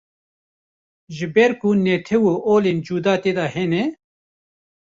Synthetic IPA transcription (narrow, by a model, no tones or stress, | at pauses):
ʒɪbɛɾkunɛːt̪ʰɛwoːʔoːleːnd͡ʒuːd̪ɑːt̪eːd̪ɑːhɛnɛ